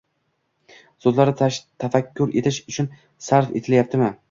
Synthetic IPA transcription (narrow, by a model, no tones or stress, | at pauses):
zozlaɾɪt̪ʰːafakʲʰːʊɾe̞t̪ʰɪʃʊt͡ʃʰʊn | saɾfḛt̪ʰɪljap̚t̪ʰɪmɪ